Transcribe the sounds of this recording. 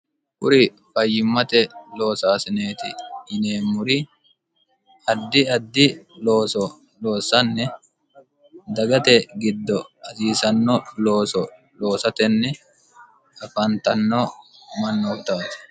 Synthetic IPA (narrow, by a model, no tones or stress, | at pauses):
kʊɾɪ | fɐjːɪmːɐt̪ɛlo̞ːsaːsɪne̞ːt̪ɪːneːmʊɾɪ | ɐd̪ːɪɐd̪ːɪloːsɔ | lo̞ːsɐnːɛ | d̪ɐɡɐt̪ɛɡɪd̪ːɔɐsiːsɐnːɔloːsɔ | lo̞ːsɐt̪ɛnːɛ | ɐfɐnt̪ɐnːɔmɐnːoːft̪aːt̪ɪ̥